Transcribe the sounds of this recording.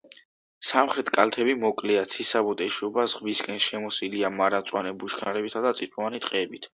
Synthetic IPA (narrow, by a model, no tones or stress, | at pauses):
samχɾɛt̪ʰkʼalt̪ʰɛbimɔkʼlɛat̪sʰisabɔt̪ʼɛʃɔbazʁviskʼɛnsʃɛmɔsiliamaɾat̪sʼwanɛbuʃkʰnaɾɛbisad̪at̪sʼit̪ʼuanit̪ʼqʼɛɛbit̪ʰ